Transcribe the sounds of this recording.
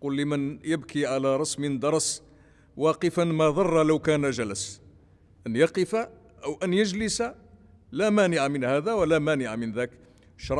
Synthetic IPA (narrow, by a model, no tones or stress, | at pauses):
qulːəmənjəbkʰiʕalaɾˤɑsmɪnd̪ɑɾˤs | wɑqəfanmæðˤɑrˤːɑləwkænæʒæləs | ʔənjɑqəfa | ʔəwʔænjəʒləsa | læmænɪʕamɪnhæd̪æwəlæmænɪʕamɪnðæk | ʃɾˤɑ